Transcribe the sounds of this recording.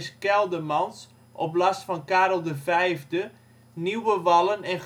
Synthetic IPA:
skɛlˠdəmɑns | ʔɔplastfɔnkaːɾl̩ˠdəvɛjvdə | niwəʋɑlˠənɛn

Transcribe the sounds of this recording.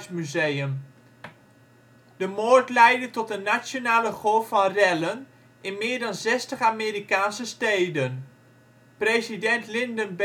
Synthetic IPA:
smyzejəm | dəmoːɹtlɛjdətɔtənːat͡ʃonaːləχofɑnrɛlən | ɪnmɪːɹdɑnzɛstəχaːmeːɾikaːnsəstejdən | prejzidɛntlɪndənb

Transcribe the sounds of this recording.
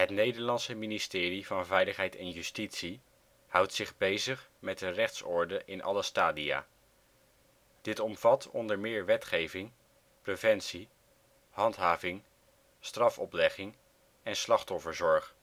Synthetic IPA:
ɦətnejdəɹlɑnsəministɪːrivɑnvɛjləχɦɛjtɛnjystitsi | hʌwtsɪχbejzəχmɛt̚dərɛχtsɔɹdəʔɪnʔɑ̰ləstaːdia̰ː | d̥ɪtɔmv̥ɑtʰɔ̰ndəɹmɪːɹʋɛtχejvɪŋ | prevɛntsi | hɑntɦaːvɪŋ | strɑfɔplɛχɪŋ | ɛnslɑχtɔfəɹzɔɹχ

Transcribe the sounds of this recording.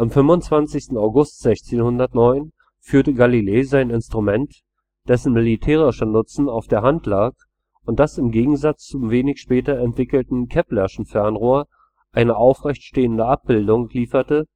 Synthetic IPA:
ʔamfʏmvʊnt͡sv̥ant͡sɪçstn̩aʊɡʊstz̥ɛçt͡seːnhʊndɐtnɔʏn | fyːɐtəɡalileːzaɪnɪnstʁ̥umɛnt | d̥ɛsn̩mɪlitʰɛːʁɪʃənʊt͡sn̩aʊfd̥eːɐɦantlaːk | ʊntd̥asɪmɡeːɡŋ̩zat͡st͡sʊmveːnɪçʃpɛːtɐɛntv̥ɪkl̩tn̩kʰɛplɛʃn̩fɛɐnʁoːɐ | ʔaɪnəʔaʊfʁɛçtʃteːəndəʔap̚b̥ɪldʊŋliːfɐtə

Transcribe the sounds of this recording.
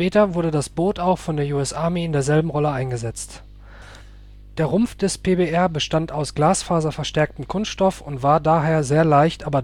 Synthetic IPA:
ɛːtɐvʊɐdədasb̥oːtaʊxfɔndeːɐjuːɛsʔaɐmeɪndeːɐzɛlbm̩ʁɔləʔaɪnɡəzɛt͡st | d̥eːɐʁʊmfd̥ɛspʰeːbeʔɛɐbəʃtantaʊsɡ̥laːsfaːzɐfɛɐʃtɛɐk̚tm̩kʰʊnstʃtɔfʊntv̥aːɐdaːɦeːɐzeːɐlaɪçtʔaːbɐ

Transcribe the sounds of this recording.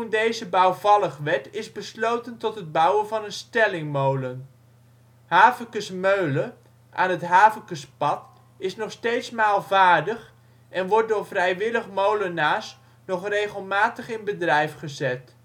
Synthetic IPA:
undejzəbʌwvɑlˠəχʋɛtɪzbəslowtəntɔtɦəd̚bʌwənvɑnənstɛlɪŋmowlən | ɦaːvəkəsmøɥlə | ʔaːnɦətɦaːvəkəspɑt | ɪsnɔχstejtsmaːlˠvaːɹdəχ | ʔɛnʋɔɹt̚dʊːɹvrɛjʋɪləχmowlənaːs | nɔχrejχəlˠmaːtəχɪnbədrɛjfχəzɛt

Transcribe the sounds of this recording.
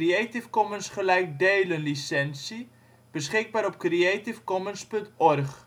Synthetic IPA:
rietifkɔmənsχəlɛjk̚deːlənlisɛnsi | b̥əsχɪk̚baːɾɔp̚krietifkɔmənspɵntɔrχ

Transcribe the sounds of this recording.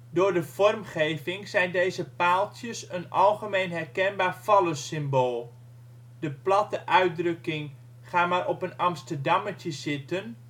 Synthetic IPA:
dʊːɹdəv̥ɔrmχejvɪŋzɛjndeːzəpaːlˠtjəsənɑlˠχəmeːnɦɛrkɛnbaːrfɑləsɪmboːlˠ | dəplɑtəʔœɥt̚drɵkɪŋ | χaːmaːɾʔɔpənɑmstərdɑmətəsɪtən

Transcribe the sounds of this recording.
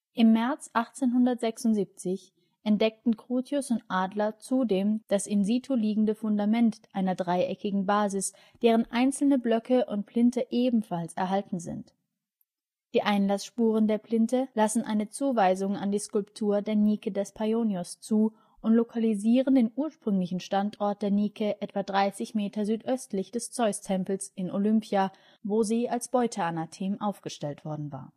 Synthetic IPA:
ʔɪmːɛɐt͡sʔaχt͡seːnɦʊndɐtz̥ɛksʊntz̥iːp̚t͡sɪç | ʔɛntd̥ɛk̚tn̩kʁ̥uːtʰjʊsʊntʔaːdlɐt͡suːdeːmd̥asʔɪnziːtʰoliːɡŋ̩dəfʊndamɛntʔaɪnɐdʁaɪʔɛkɪɡŋ̩baːzɪs | d̥eːʁ̞ənʔaɪnt͡sl̩nəblœkʰəʔʊnt̚pl̥ɪntəʔeːbm̩falsɛɐɦaltn̩zɪ̰nt | d̥iːʔaɪnlasʃpuːʁ̞əndeːɐplɪntəlasn̩ʔa̰ɪnət͡suːvaɪzʊŋa̰ndiːskʊlptʰuːɐdeːɐniːkədɛspʰajoːnjʊst͡suː | ʔʊntlokʰaliziːʁ̞əndeːnʔuːɐʃpʁ̥ʏŋlɪçn̩ʃtantʔɔɐt̚d̥eːɐniːkʰəʔɛtv̥adʁaɪsɪçmeːtʰɐzyːtʔœstlɪçd̥ɛst͡sɔʏstʰɛmpl̩sɪnʔolʏmpʰja | voːziːalsb̥ɔʏtʰəanatʰeːmʔaʊfɡ̥əʃtɛltv̥ɔɐdn̩va̰ːɐ

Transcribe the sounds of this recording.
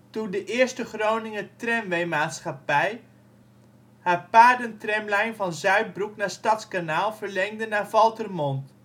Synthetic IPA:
tundəʔɪːɹstəχrownɪŋətrɛmʋejmaːtsχapɛj | haːɹpaːɹdəntrɛmlɛjnvɑnzœɥd̚bruknaːɹstɑtskanaːlˠv̥əɹlɛŋdənaːɹvɑlˠtərmɔnt

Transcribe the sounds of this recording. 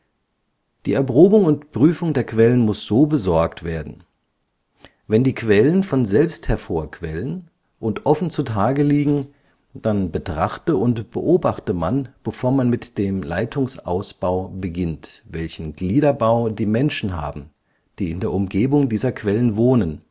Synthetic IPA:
d̥iːɛɐpʁ̥oːbʊŋʊntb̥ʁ̥yːfʊŋdeːɐkv̥ɛlənmʊsz̥oːbəzɔɐktv̥eːɐdn̩ | vɛndiːkv̥ɛlənfɔnzɛlpsthɛɐfoːɐkʰv̥ɛlən | ʔʊntʔɔfn̩t͡sutʰaːɡəliːɡŋ̩ | d̥anbətʁ̥aχtəʔʊntb̥ə̰ʔoːbaχtəmanb̥əfoːɐmanmɪtd̥eːmla̰ɪtʰʊŋsʔa̰ʊsb̥aʊbəɡɪntvɛlçn̩ɡliːdɐbaʊdiːmɛnʃn̩ɦa̰ːbm̩ | d̥iːɪndeːɐʔʊmɡeːbʊŋdiːzɐkʰv̥ɛlənvoːnən

